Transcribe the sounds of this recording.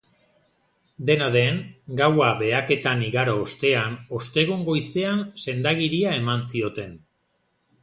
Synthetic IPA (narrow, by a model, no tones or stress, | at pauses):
d̪e̞naðe̞ŋɡawaβe̞ake̞t̪aniɣaɾoːst̪e̞ano̞st̪e̞ɣuŋɡo̞jse̞anse̞nd̪aɣiɾiae̞mansio̞t̪e̞n